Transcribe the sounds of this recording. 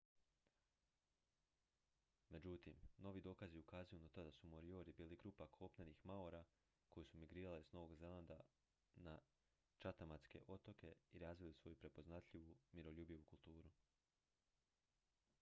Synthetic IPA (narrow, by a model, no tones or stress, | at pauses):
me̞d͡ʑut̪imno̞ʋid̪o̞ːkazijeukazujunat̪o̞d̪asumoɾio̞ɾibiːliɡɾupakʰo̞pnanixmaoɾa | ko̞jesumiɡɾiːɾaleizno̞ʋo̞ɡze̞land̪a | na | t͡ʃat̪amat̪ske̞̰ʔo̞t̪o̞ke̞iɾazʋilisʋo̞jupɾe̞po̞znat̪ʎiʋumiɾo̞ʎuːbjeʋukulˠt̪uːɾu